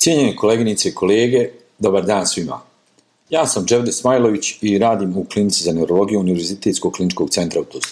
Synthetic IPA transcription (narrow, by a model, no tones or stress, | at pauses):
sjeɲe̞ne̞kʰo̞leɡinit̪se̞ikʰo̞leːɡe̞ | d̪o̞baɾd̪aːnsʋima̰ | jaːsamd͡ʒe̞vd̪esmaːjlˠo̞ʋit͡ɕiɾaːd̪iːmuklinit̪sizane̞wɾo̞lˠo̞ɡijuuniʋeɾzit̪et̪sko̞ɡklinit͡ʃko̞ːɡ̪̚se̞nt̪ɾaut̪us